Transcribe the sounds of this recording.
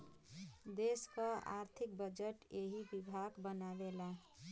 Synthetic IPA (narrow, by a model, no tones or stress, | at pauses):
d̪eskəa̰ɾt̪ʰik̚bəd͡ʒəʈjeɦibibʱaɡbənabela